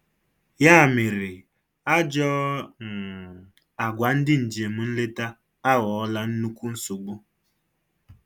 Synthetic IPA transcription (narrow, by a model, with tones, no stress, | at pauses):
ja˦˨mɪ˨ɾɪ˨ | a˦d͡ʒɔ˦ŋ̩˨ | a˨ɡʷa˨˦n̩˦dɪ˦n̩˨d͡ʒe˨mʊ˨n̩˦le˦ta˦ | a˦ɣɔ˨ɔ˦la˦n̩˦nu˦kʷu˦n̩˦su˨ɡ͡bu˦